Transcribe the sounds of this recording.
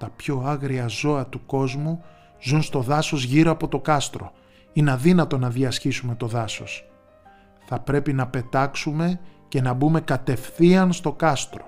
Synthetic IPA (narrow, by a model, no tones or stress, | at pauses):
t̪ɐpço̞ɐɣɾiɐzo̞ɐt̪uko̞zmu | zunst̪o̞ðɐso̞zʝiɾo̞ɐpo̞t̪o̞kɐst̪ɾo̞̰ | inɐðinɐt̪o̞nɐðiɐsçisume̞t̪o̞ðɐso̞̰s | θɐpɾe̞pinɐpe̞t̪ɐksume̞ce̞nɐbume̞kɐt̪e̞fθiɐnst̪o̞kɐst̪ɾo̞̥